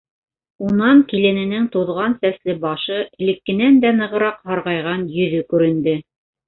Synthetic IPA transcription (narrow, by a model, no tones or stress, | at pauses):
unɑŋkilɘ̆nɘ̆nɘŋt̪ŏðʁɑnsæslɘbɑʃɤɘ̆lɘ̆kːɘ̆nænd̪ænɤ̆ʁɤ̆ɾɑqhɑɾʁɑjʁɑnjɵ̆ðɵkʉɾɘ̆nd̪ɘ